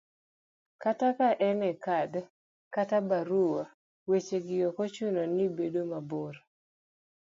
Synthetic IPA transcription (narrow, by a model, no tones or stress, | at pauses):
katakaʔɛnɛkad | katabaɾuwa | wet͡ʃeɡɪjɔkot͡ʃunonibedomaboɾ